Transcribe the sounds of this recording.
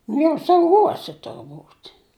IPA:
nʊ jɛʊ sɐʊˈɡoːsʲɛ tʊrˈbuːtʲ

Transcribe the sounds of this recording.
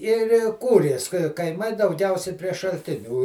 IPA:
ɪr ɪ ˈkuːrʲeːs kɐɪˈmɐɪ dɐʊˈɡʲɛʊsʲɛɪ pʲrʲiɛ ʃɐlʲˈtʲɪnʲuː

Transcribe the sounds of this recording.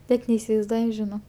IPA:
ˈnʲɛt nʲɛɪsʲɪʋɐɪzˈduɔjʊ ʒʲɪˈnoː

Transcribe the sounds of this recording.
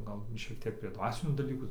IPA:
ˈɡɐlˠ ˈʃʲiɛk ˈtʲiɛk pʲrʲiɛ ˈdʋɑːsʲɪnʲuː dɐˈlʲiːkuː

